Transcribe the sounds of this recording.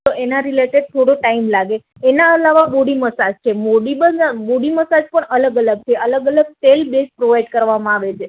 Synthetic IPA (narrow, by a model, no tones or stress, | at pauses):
t̪oʔenaɾileʈeɖ̚t̪ʰoɽõʈaimlaɡeː | naəlaʋaboɽiməsad͡ʒt͡ʃʰemoɽibəaboɽiməsad͡ʒpəɳələɡələɡ̚t͡ʃʰeʔələɡələɡselbespɾoʋajɖkəɾʋamãaʋet͡ʃʰe